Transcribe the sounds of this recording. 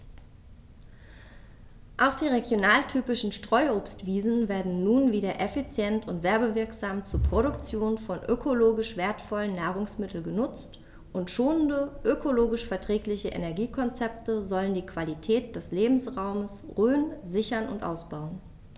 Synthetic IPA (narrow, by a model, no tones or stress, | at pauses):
ʔaʊxd̥iːʁeɡjonaːltʰyːpɪʃn̩ʃtʁ̥ɔʏʔoːpstv̥iːzn̩veːɐdn̩ːuːnviːdɐʔɛfit͡sjɛntʊntv̥ɛɐbəvɪɐkz̥aːmt͡suːɐpʁ̥oɾʊkt͡sjoːnfɔnʔøkʰoloːɡɪʃv̥eːɐtfɔlənːaːʁ̞ʊŋsmɪtʰl̩ɡənʊt͡st | ʔʊntʃoːnəndəʔøkʰoloːɡɪʃfɛɐtʁ̥ɛːklɪçəʔḛnɛɐɡiːkʰɔnt͡sɛp̚təzɔləndiːkv̥alitʰɛːt̚d̥ɛsleːbm̩sʁaʊməsʁøːnzɪçɐnʊ̰ntʔa̰ʊsb̥aʊən